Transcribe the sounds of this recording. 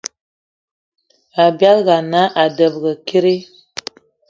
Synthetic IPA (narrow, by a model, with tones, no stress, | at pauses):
a˨bja˦lɣa˨na˦ʔa˨də˨bɣə˨ki˦ɾi˦